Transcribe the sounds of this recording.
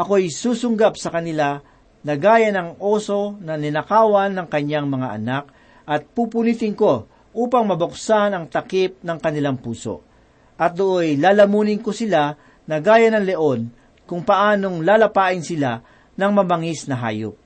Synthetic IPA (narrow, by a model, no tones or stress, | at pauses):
ʔɐko̞jsuːsʊŋɡapsɐkɐnɪla | nɐɡaːjɐnɐŋoːso̞nɐnɪnɐkaːwɐnːɐŋkɐɲːaŋmɐŋaʔɐ̰nak̚ | ʔɐt̪̚puːpʊnit̪ɪŋko̞ | ʔuːpɐŋmɐbʊksanɐŋt̪ɐkip̚nɐŋkɐnɪlaŋpuːso̰ | ʔɐt̪̚d̪oʔojlaːlɐmuːnɪnkosɪla | nɐɡaːjɐnɐŋlɛʔo̞n | kʊŋpɐʔaːno̞ŋlaːlɐpaːʔɪnsɪla | nɐŋmɐbɐŋisnɐɦa̰ːjo̰p̚